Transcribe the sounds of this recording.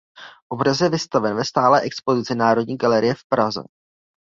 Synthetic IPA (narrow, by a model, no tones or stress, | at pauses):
ʔobɾasjɛvɪst̪avɛnvɛst̪aːlɛːʔɛkspo̞zɪt͡sɪnaːɾo̞d̚ɲiːɡalɛɾɪjɛfpɾazɛ̰